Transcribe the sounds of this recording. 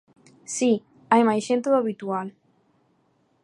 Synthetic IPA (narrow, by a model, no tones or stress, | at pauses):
si | ajmajʃent̪uðaβit̪ual